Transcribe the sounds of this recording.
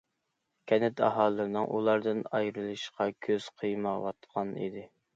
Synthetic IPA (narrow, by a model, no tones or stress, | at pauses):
kʲʰɛnɪt̪ʰɑ̰ɦɑːlˠːɨɾnɨŋʔṵlˠɑɾd̪ɨnɑjɾɨlˠɨʃqʰɑkʲʰøz̥qʰəjmɑwɑt̪qʰɑnḭd̪ɪ